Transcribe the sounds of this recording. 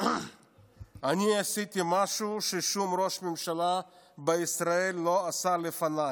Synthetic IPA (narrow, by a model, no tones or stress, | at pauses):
aniasit̪imaʃuʃeʃumɾoʃmemʃalabeisɾaelːoasalefanaj